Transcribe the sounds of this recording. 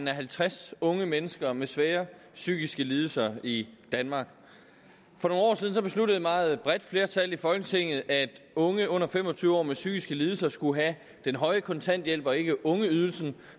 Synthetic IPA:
n̩æɦælt͡sʰʁasɔ̽ŋəmenəsɡ̥ɐmesʋɛːɐ | syːɡ̥isɡ̥əliːð̞ˠl̩sɐid̥ænmɑ̈ːɡ̥ | fɒ̽no̝ːnɒ̰ːsiðˠn̩sɒ̽b̥e̝sludəðˠimɑ̈ːð̞̩ˠb̥ʁɛd̥fle̝ɐt͡sʰæl̰ifɒ̽lɡ̥ət͡sʰe̝ŋ̰ð̞̩ˠæd̥ɔ̽ŋəɔ̽n̰ɐfem̰ɒ̽t͡sʰyːʊɒ̰ːmesyːɡ̥isɡ̥əlið̞ˠl̩sɐsɡ̥uɦæ | d̥enɦɒ̽ɪəkʰɒ̽nt͡sʰæn̰d̥jel̰b̥ɒ̽e̝ɡ̥əʔɔ̽ŋəyð̞ˠl̩sn̩

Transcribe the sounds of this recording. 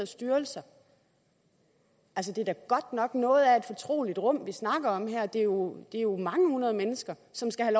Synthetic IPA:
sd̥yɐlsɐ | ʔæls̬əd̥e̝d̥æɐɡ̥ɒ̽d̥nɒ̽ɡ̥nɔ̽ːð̞̩ˠæe̝d̥fɒ̽t͡sʰʁo̝̰ːlid̥ʁɔ̽m̰ʋisnɑ̈ɡ̥ɐɒ̽mɦæɐ̰d̥e̝jo̝d̥e̝æɐjo̝mɑ̈ŋəhunɐð̞ˠəmenəsɡ̥ɐ | sɒ̽msɡ̥æhælɒ

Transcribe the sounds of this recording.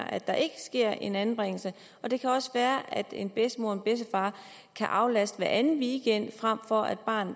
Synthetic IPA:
ʔæd̥ɑ̈ʔe̝ɡ̥əsɡ̥e̝ɐ̰e̝næn̩b̥ʁeŋ̰l̩sə | ɒ̽d̥e̝kʰæɒ̽səʋæːɐʔæd̥e̝nb̥esd̥əmo̝ɐ̰enb̥esəfɑ̈ː | kʰæʔɑ̈ʊlæsd̥ʋæɐʔænð̩ˠʋiːɡ̥en̰d̥fʁam̰fɒ̽æd̥̚b̥ɑ̈ːnð̩

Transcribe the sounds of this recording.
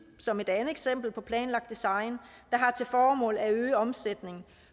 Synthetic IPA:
sɒ̽me̝d̥ænəð̩ˠeɡ̥sem̰b̥l̩pʰɒ̽pʰlɛːnlɑ̈ɡ̥d̥isɑ̈ɪn | d̥ɑ̈ɦɑ̈t͡sʰe̝lfɒːmɔ̰̽ːlæøːɒ̽msed̥ne̝ŋ

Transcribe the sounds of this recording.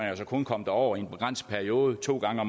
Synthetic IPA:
ɒsɒ̽kʰɔ̽nkʰɒ̽m̰d̥ɑɒʊ̰ɐie̝nb̥e̝ɡ̥ʁɑn̰s̚pʰæɐio̝ːð̞̩ˠt͡sʰo̝̰ːɡ̥ɑ̈ŋəɒ̽m

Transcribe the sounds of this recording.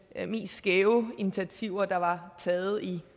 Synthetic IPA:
me̝̰ːsɡ̥eʊinit͡sʰæt͡sʰiʊ̰ɐd̥ɑ̈ʋɑ̈t͡sʰɛːð̩ˠi

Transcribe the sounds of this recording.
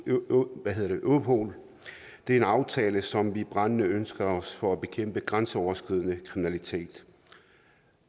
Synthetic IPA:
ʋæɦeð̞ˠɐd̥e̝ʔopʰo̰ːl | d̥e̝æɐe̝nɑ̈ʊt͡sʰɛːləsɒ̽mʋib̥ʁɑnənəønsɡ̥ɐɒ̽sfɒ̽æb̥e̝kʰem̰b̥əɡ̥ʁansəɒʊɐsɡ̥ʁið̞̰ˠənəkʰʁiminælit͡sʰe̝̰ːd̥

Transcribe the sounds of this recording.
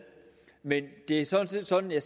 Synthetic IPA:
mend̥e̝æsɒnse̝̰ːd̥sɒ̽njɑ̈s

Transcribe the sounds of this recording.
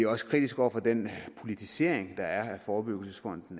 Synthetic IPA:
ɒ̽sə̥kʰʁid̥isɡ̥ɒ̰ʊ̰ɐfɒd̥en̰pʰo̝lit͡sʰise̝ɐ̰eŋd̥ɑ̈æɐæfɒːb̥yɡ̥l̩səsfɒ̽n̰d̥n̩

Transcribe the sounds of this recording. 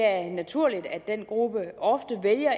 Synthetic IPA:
æɐnæt͡sʰuɐ̰lid̥æ̥d̥en̰ɡ̥ʁub̥əɒ̽fd̥əʋeljɐ

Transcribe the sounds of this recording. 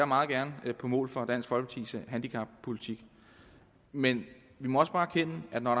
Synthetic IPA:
ɑmɑ̈ːð̞̩ˠɡ̥æɐnəpʰɒ̽mɔ̰̽ːlfɒ̽d̥æn̰sɡ̥fɒ̽lb̥pʰɑt͡sʰḭsəɦænd̥ikʰɑ̈b̥̚pʰo̝lit͡sʰiɡ̥ | men | ʋimɒ̽ɒ̽sə̥b̥ɑ̈ːækʰenəʔæd̥nɒɾɑ

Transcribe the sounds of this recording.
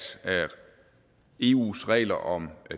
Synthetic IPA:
sæ | e̝ːṵːsʁɛ̰ːlɐʔɒ̽mæ

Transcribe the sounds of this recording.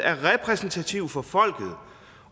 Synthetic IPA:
æɐʁɛpʰʁɛsn̩t͡sʰæt͡sʰiʊfɒ̽fɒ̽l̰ɡ̥ð̩ˠ

